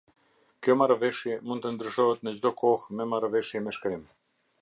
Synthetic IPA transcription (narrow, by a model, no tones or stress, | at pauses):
kjɔmaɾavɛʃjɛmund̪̚t̪ənd̪ɾyʃɔɦɛt̪nəd͡ʑd̪ɔkʰɔhmɛmaɾavɛʃjɛmɛʃkɾim